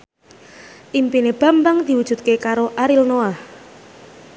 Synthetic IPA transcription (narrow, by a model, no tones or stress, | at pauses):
ʔimpineb̥a̤mbaŋd̪̥i̤wud̥ʒ̥ṳt̪̚kekaɾoʔaɾilnoah